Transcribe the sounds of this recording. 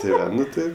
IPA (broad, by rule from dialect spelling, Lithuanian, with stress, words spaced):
tʲɪ ˈʋɐ ˈnʊ ˈtɜ